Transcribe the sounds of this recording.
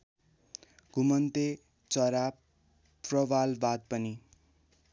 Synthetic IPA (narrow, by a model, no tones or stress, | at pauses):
ɡ̥ʱumʌnt̪e | t͡sʌɾa | rʌbalbad̪̚pʌni